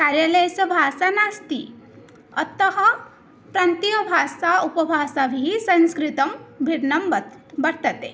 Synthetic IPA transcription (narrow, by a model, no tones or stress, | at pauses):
kaːɾjalɐjsɐbʱaːsanaːst̪ḭ | ɐt̪ɐɦɐ | pɾaːnt̪ijɐbʱaːsaupɐbʱaːsabʱiisɐ̃nskɾit̪ɐmbʱiɾnɐmbɐɾt̪ɐt̪e